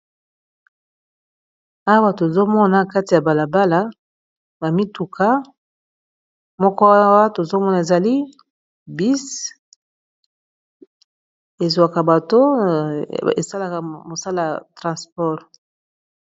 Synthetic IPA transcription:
a˦wa˦to˨e˨zo˦mɔ˦na˨ka˦ti˨ja˨ba˨la˨ba˦la˦ | ba˨mi˦tu˨kʰa˦ | mɔ˦kɔ˦a˦wa˦to˨zo˦mɔ˦na˨e˨za˨li˦ | bi˦s | e˨za˨ka˨ba˨to˦ | ḛ˨sa˦la˨ka˨mo˨sa˦la˨ja˨tʁɑ̃˨spɔ˦˨ʁ

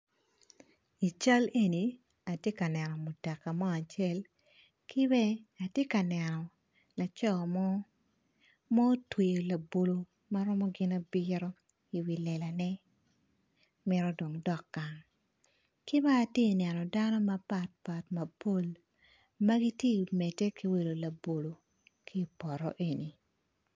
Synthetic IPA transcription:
i˨t͡ʃa˦le˦ni˨ | a˨tje˦ka˨nɛ˨nɔ˨mu˨tɛ˨kːa˨mɔ˦a˨t͡ʃɛ˦l | kʰi˦bɛ˦a˨tje˦ka˨nɛ˨nɔ˨ | la˨t͡ʃɔ˦˨mɔ˦ | mɔ˦twe˨jo˨la˨bo˨lo˦ | ma˦ɾɔ˦mɔ˦ɡɪ˦na˦bi˦ɾo˦ | i˨wi˨lɛ˨la˨nɛ˦ | mɪ˦ɾɔ˦do˨ŋdɔ˨kːa˨ŋ | ki˦baː˦˨tje˦˨nɛ˨nɔ˨da˦nɔ˦ma˦pa˨t̚pa˨tmɐ˨po˦˨l | ma˦ɡi˦tje˦˨mɛ˨tːe˦ki˦we˨lo˨la˨bo˨lo˨ | kʰi˦pɔ˨ɾɔ̰˦ʔe˨ni˨

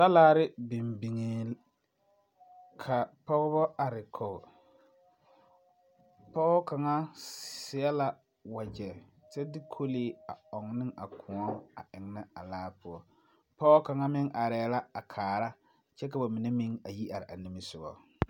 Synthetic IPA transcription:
ta˦laː˦ɾɪ˦bɪ˨mbi˨ŋe˨ | kʰa˨pɔ˦ɣɔ˦bɔ˦a˨ɾɪ˨kʰɔ˨ɣ | pɔː˦ka˨ŋa˦sɪ˨ɛ˦la˦ | wa˨d͡ʒɛ˨ | t͡ʃɛ˦dɪ˦kʰo˦leː˦a˨ɔ˨ŋnɪ˦ŋa˨kʰʊ˨ɔ˦a̰˨ʔɪ˨ŋ˦na˦a˨laː˦pʊ˨ɔ˦ | pɔ˦ka˨ŋa˦mɪ˦ŋʔa˨ɾɛː˨˦˨la˦a˨kʰaː˨ɾa˦ | t͡ʃɛ˦ka˨ba˨mɪ˨nɛ˦mɪ˦ŋa˨ji˦ʔa˨ɾɪ˨ʔa˨nɪ˦mɪ˦sʊ˨ɣɔ̰˨

